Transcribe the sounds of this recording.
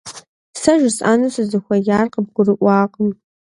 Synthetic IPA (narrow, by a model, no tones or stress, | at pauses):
sɐʒɪsʼa̰ːnɨsɨzɨxʷɐjaːrqəb̚ɡʷʊrɨʔʷɑːqʼəm